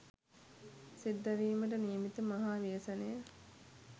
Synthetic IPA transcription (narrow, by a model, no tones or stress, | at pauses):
sid̪ːɐɾiːməʈəniːmit̪əmaɦaːʋijəsɐnejə